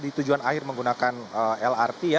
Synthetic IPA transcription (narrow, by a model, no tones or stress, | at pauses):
dit̪ud͡ʒuanahɪrməŋɡunakanəɛlart̪ija